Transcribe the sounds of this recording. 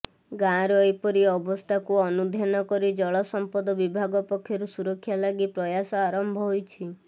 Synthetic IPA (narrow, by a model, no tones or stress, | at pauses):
ɡãɾɔjpɔɾiɔbɔst̪ʰakuɔnud̪ʱjanɔkɔɾid͡ʒɔɭɔsɔmpɔd̪ɔbibʱaɡɔpɔkʰːjɔɾusuɾɔkʰːjalaɡipɾɔjasɔaɾɔmbʱɔɦojt͡ʃʰi